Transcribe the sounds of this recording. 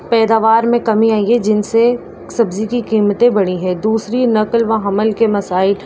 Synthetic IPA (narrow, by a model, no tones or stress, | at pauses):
pɛːd̪aːʋaːɾmẽkɐmiaːĩed͡ʒɪnse | sɐbzikikiːmt̪ẽbɐɽ̃iɦɛ̃d̪uːsɾinɐkəlʋɐɦɐməlkemɐsaːɪl